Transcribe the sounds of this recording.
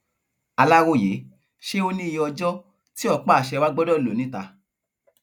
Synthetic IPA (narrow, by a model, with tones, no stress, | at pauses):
a˧la˦wo˦˨je˨˦ | ʃe˦o˧nĩ˦˧jɔ˧d͡ʒɔ˦ | ti˦ɔ˦˨k͡pa˦˨ʃɛ˧wa˦ɡ͡bɔ˦dɔ˦˨lo˨nĩ˨˦ta˧